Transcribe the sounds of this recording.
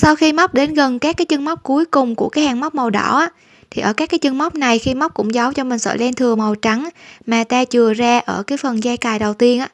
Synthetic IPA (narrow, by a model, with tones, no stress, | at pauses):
sa˧wxi˧ma˦˥k͡p̚ɗe˨˦nɣə˨˩nkaː˦˥kːaː˨˦jt͡ɕɨ˧ŋma˦˥k͡p̚ku˨˦əjkʊ˨˩ŋ͡mku˧˩əkaː˨˦jhaː˨˩ŋma˦˥k͡p̚mə˨˩wɗɔ̰˧˩ʔaː˨˦˥ | t̪ʰi˨˩ʔəː˧˩kaː˦˥kːaː˨˦jt͡ɕɨ˧ŋma˦˥k͡p̚na˨˩jxi˧ma˦˥wk͡p̚kʊ̰˧˥ŋ͡mza˨˦wt͡ɕɔ˧mï˨˩ŋ̟sə̰ː˧˩lɛ˧nt̪ʰɨ˨˩əŋmə˨˩wt͡ɕa˨˦ŋmaː˨˩t̪aː˧t͡ɕɨ˨˩əzaː˧ʔəː˧˩kaː˨˦jfə˨˩nzaː˧jkaː˨˩jɗə˨˩wt̪i˧ənʔaː˧˥